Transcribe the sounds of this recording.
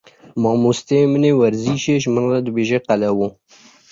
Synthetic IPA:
mɑːmust̪emənewɐɾziːʃeːʒmənrad̪ɨbeːʒeqalɛwo

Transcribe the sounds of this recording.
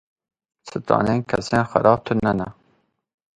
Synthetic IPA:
sʰɨt̪ɾɑ̰ːneːnkʰɛ̰seːnxæ̰ɾɑːb̚t̪ʰʊnɛnɛ

